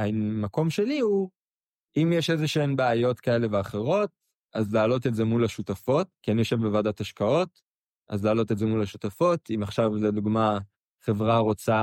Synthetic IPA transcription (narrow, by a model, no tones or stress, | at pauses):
amako̞mʃe̞lihu | imjeʃezeʃeenbeajo̞tkae̞le̞veaχe̞ʁo̞t̚ | ʔazlaːlo̞t̬etzemulaʃutafo̞tkianijoʃevbevaːdataʃkao̞t | ʔa̰zlaːlo̞tezemulaʃutafo̞timaχʃavleduɡma | χe̞vʁaʁo̞t͡sa